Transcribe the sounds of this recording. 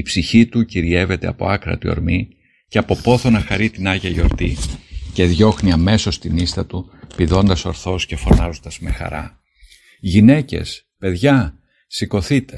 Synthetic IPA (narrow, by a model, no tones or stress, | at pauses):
ipsiçit̪uciɾie̞ve̞t̪e̞ɐpo̞̰ɐkɾɐ̰t̪io̞̰ɾmi | ceɐpo̞po̞θo̞nɐxɐɾit̪inɐʝɐijo̞ɾt̪ice̞ðʝo̞xniɐme̞so̞st̪inist̪ɐt̪u | piðo̞nd̪ɐso̞ɾθo̞sce̞fo̞nɐzo̞nd̪ɐzme̞xɐ̰ɾɐ̰ | ʝine̞ce̞̰s | pe̞ðʝɐ | siko̞θit̪e̞